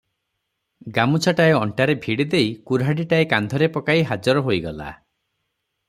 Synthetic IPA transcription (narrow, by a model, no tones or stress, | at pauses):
ɡamut͡ʃʰaʈaeɔɳʈaɾebʱiɽid̪ejkuɾɦaɽiʈaekand̪ʱɔɾepɔkaiɦad͡ʒɔɾɔɦojɡɔla̰